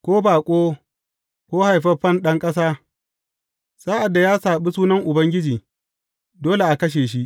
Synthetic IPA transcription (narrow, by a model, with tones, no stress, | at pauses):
kʷoː˦baː˨kʷʼoː˦ | kʷoː˦ha˨jɸɐ˦ɸɐ˦nɗɐ˦ŋkʼɐ˦s̬aː˦ | sa˦ʔa˨dːa˨jaː˦saː˨ɓi˦suː˦nɐ˦ŋʔʊ˨bɐ˦ŋɡʲɪ˦d͡ʒiː˨ | doː˦le˨ʔa˨kɐ˦ʃ̬eː˨ʃ̬i˦ʔ